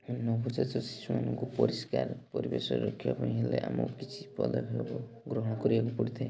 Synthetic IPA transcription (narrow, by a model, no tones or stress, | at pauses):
nːɔbʱud͡ʒat͡ʃɔsi̥sumanɔŋkupɔɾiskaɾpɔɾibesɔɾɾɔkʰibapaĩɦeleʔamɔkit͡ʃʰipɔd̪ɔbʱelɔbɔ | ɡɾɔɦɔɽ̃ɔkɔɾibakupɔɽit̪ʰaẽ